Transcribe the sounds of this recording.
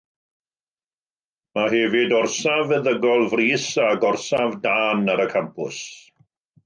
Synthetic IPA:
maɦɛvɪdɔrsavəðəɡɔlˠvriːsaɡɔrsavdaːnaɾəkʰampʰʊs

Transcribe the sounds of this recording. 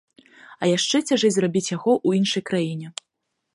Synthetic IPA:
ɐjaʂt͡ʂɛt͡sʲaʐɛzrabʲit͡sʲjaɣɔʔuinʂɐjkɾajinʲɛ

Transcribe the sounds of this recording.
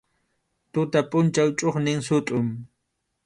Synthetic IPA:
t̪ʊt̪apʼʊnt͡ʃawt͡ʃʼoχnɪŋsʊt̪ʼʊm

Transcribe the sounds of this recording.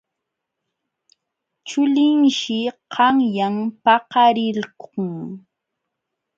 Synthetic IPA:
t͡ʃʊlɪŋʃɪqʰɑŋjampɑqɑɾɪlkʊŋ

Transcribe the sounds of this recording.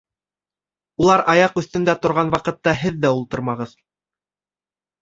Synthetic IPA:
ulˠɑɾɑjɑqɵ̆θt̪ɵ̆nd̪æt̪ŏɾʁɑnwɑqɤ̆t̪ːɑɦɘðːæulˠt̪ɤ̆ɾmɑʁɤð

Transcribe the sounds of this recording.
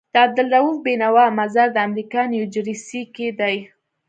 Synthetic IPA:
d̪̥əab̚d̪əldawufbenawɑmazaɾd̪əamɾikɑnjud͡ʒɾisiked̪aj

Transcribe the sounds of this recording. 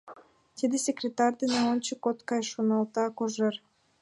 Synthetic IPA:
t̪ʲid̪esʲekrʲet̪ɑrʲd̪eneont͡ɕikot̪kɑjʃonɑlˠt̪ɑkoʒer

